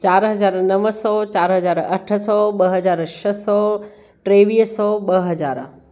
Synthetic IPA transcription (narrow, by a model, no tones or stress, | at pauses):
t͡ɕaːɾɦɐzaːɾnɐʋəsɔt͡ɕaːɾɦɐzaːɾɐʈʰsɔɓɐɦɐd͡ʑaːɾʃɐsɔ | ʈɾeːʋiːɦsɔɓɐɦɐd͡ʑaːɾ